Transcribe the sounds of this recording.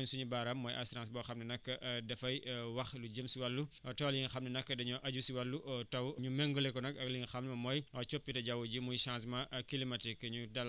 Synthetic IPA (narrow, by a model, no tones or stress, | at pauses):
ɲsuɲubaɾɐmːɔjʔɐsɾãnsbɔːxɐmnɐnɐkːɐʔdɐfɐjwɐxluɟəmsiwɐlːuɔtɐwliŋixɐmnɐnɐkːɐdɐɲɔʔɐɟusiwɐlːuʔɔtɐwɲumɛŋɡɔlɛkɔnɐkɐɡliŋixɐmnɐmɐmɔjɔt͡ʃopːitɐɟɐwuɟimujʃãns̬maʔkilimɐtikːɐɲudɐl